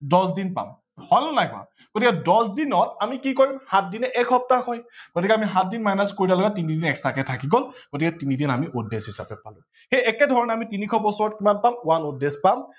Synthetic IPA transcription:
dɔsdinpa̰m | hɔjlnajkʊa̰ | ɡ̥otikɛdɔsdinɔtamikikoɹimhat̚dinɛʔɛkʰɔp̚tahɔjɡ̥otikɛamiɦat̚dinmajnaskoɹitalɔɡatinidinɛkstakɛtʰakiɡɔlɡ̥otikɛtinidinamiʔudesɦisapɛpalʊ̰̃ | xejɛkɛdʱɔɹɔnɛamitinikʰɔbɔsɔɹɔtkimanpamʊwanudespam

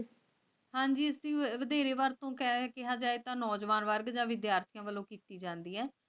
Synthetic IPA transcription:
hãːɲd͡ʒiːɪsd̪iːʋəd̪eːɾeːʋaɾt̪õːkɛːkɪɦaːd͡ʒaːeːt̪ãːnɔːd͡ʒʋaːnʋəɾɡd͡ʒãːʋɪd̪jaːɾt̪ʰijãːʋəlõːkiːt̪iːd͡ʒãːnd̪iːɦɛː

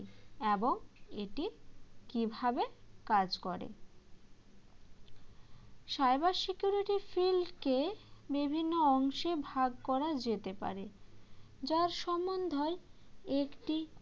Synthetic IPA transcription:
eboŋeʈikibʱabekad͡ʑkɔɾḛ | ʃajbasikjuɾiʈifilɖkebibʱinːoɔŋʃebʱaɡkɔɾad͡ʑet̪epa̰ɾe | d͡ʑaɾʃɔmond̪ʱɔeekʈi

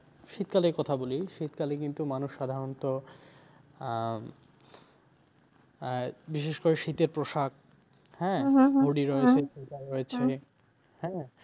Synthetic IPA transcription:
ʃit̪kalekɔt̪ʰaboliʃit̪kalekint̪umanuʃːad̪ʱaɾont̪o | biʃeʃkoɾeʃit̪eɾpɾoʃak̚ | hɛ̃ɦoɽiɾɔet͡ɕʰet͡ɕikaɾɔet͡ɕʰe | hɛ̃

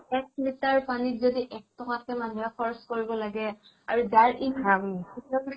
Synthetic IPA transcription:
ɛk̚mitaɹpanitzodiʔɛk̚tɔkatɛmanujapʰɔɹskoɹibɔlaɡɛ | aɹuzaɹibʱaɹabɔkitakis

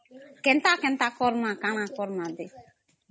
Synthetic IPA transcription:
kɛn̩takɛn̩takɔɾmãkanãkɔɾmãde

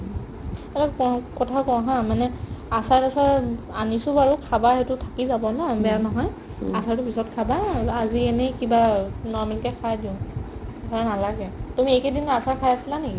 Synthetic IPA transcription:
ɛtakɔkɔtʰakɔɦãmanɛasatasa | anisʊbaɹukʰabaɛtʊtʰakizabɔnɔbɛanɔɦɔj | atʰaɹtʊpʰisɔtkʰabaaziɛnɛkibanɔɹmɛlkɛkʰajdiʊ̃dʱɔɹanalaɡɛtumiɛjkɛdinʊatʰakʰajasilaneki

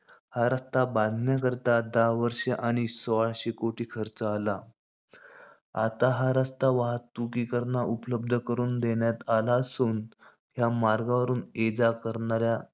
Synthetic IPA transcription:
haɾast̪abad̪ʱɳjakəɾt̪ad̪aʋəɾʂeʔaɽ̃isɔʋaɭɕikoʈiːkʰəɾt͡səːla | at̪aɦaɾast̪aʋaɦat̪ːukiːkəɾɳaʔupələb̚d̪ʱəkəɾuːnd̪eɳjat̪alaəsuːn | ɦjamaɾɡaʋəɾuːned͡zakəɾɳaɾja

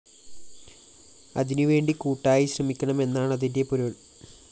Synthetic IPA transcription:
ɐ̰ðinɨʋe̞ːɳɖikuːʈːaːjiɕrɐmikʲːɐɳɐme̞nːaːɳɐðindepuɾɐɭ

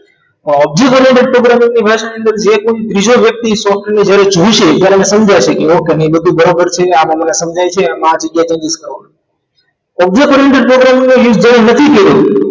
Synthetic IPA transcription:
ɔb̚d͡ʒekɔɾeɳʈeɖ̚pɾoɡɾamĩŋɡnibʱaʃaniənd̪əɾd͡ʒekoit̪ɾid͡ʒoʋjək̚t̪isɔfned͡ʒjaɾed͡ʒũʃet̪jaɾeəmesəmd͡ʒat͡ʃʰekeokenebəd̪ʱubʱəɾobəɾt͡ʃʰeamãmənesəmd͡ʒʱajt͡ʃʰeamãad͡ʒəɡjat͡ʃə̃ŋɡiskəɾʋon | ɔb̚d͡ʒekɔɾeɳʈeɖ̚pɾoɡɾamĩŋɡnojud͡ʒd͡ʒjaɾenət̪ʰip̪eɾo

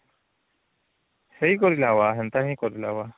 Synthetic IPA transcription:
hɛjkɔɾilawaɦɛnt̪aɦĩkɔɾilawa

